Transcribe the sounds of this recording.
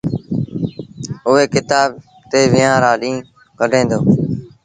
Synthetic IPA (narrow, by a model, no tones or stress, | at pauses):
ʊʋeːkɪt̪aːb̚ | t̪eːʋɪːãːɾaːɗĩː | kəɖʱẽːnd̪oː